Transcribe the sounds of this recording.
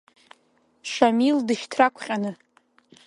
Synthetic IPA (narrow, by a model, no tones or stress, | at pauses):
ʂamildɨʃtʰrakʷʰχʲʼanɨ